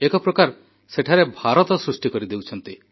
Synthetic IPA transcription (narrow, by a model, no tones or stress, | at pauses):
ekɔpɾɔkaɾ | seʈʰaɾebʱaɾɔt̪ɔsɾusʈikɔɾid̪ewt͡ʃʰɔnt̪i